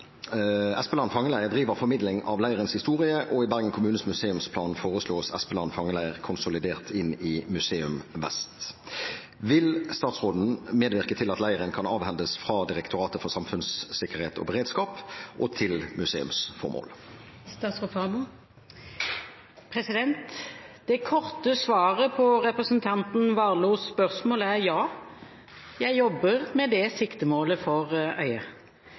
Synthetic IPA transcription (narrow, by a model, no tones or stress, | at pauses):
ɛspəlɑːnfɑŋːəlæɪəʁd̪ʁiːʋəʁfɔʁmɪd̪lɪŋʔɑʋlæɪəʁənshɪst̪uːʁɪəʔɔɪbæʁɡənkʰʊmʉːnəsmʉseːʉmspʰlɑːnfoːʁəsloːsɛspəlɑːnfɑŋːəlæɪəʁkʰʊnsʊlɪd̪eːʁt̪ʰɪnɪmʉseːʉmʋɛ̰st̪ | ʋɪlst̪ɑːt̪sʁoːd̪n̩meːd̪ʋɪʁkət̪ʰɪlɑt̪læɪəʁənkʰɑnɑːʋhɛnd̪əsfʁɑd̪ɪʁɛkt̪ʊʁɑːt̪əfɔʁsɑmfʉnsːɪkəʁheːt̪ʰɔ̰bəʁeːd̪skɑːpʔɔt̪ʰɪlmʉsḛːʉ̰msfɔ̰ʁmo̰ːl | st̪ɑt̪sɔfɑm | pʰʁɛsɪd̪ɛnt̪d̪̥ɛkʰɔʁt̪əsʋɑːʁəpʰɔʁɛpʁəsənt̪ʰɑnt̪n̩ʋɑːluːspœʁsmoːləæʁjɑː | jæɪjɔbːəʁmɛd̪ɛsɪkt̪əmoːləfɔʁœʏə